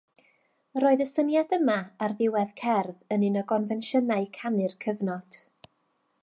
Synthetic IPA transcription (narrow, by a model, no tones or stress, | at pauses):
roːɨðəsənjadəmaarðɪwɛðkʰɛrðənɪnəɡɔnvɛnʃənaɨkʰanɨrkʰəvnɔd̥